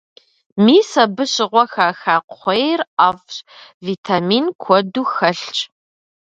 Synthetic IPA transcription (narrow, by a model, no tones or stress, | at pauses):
miːsɐbɨɕɪʁʷɔxaːxaːqʷχʷejraːfɕviːtʰamiːnkʷʰɔduːxɐɬt͡ʃʼ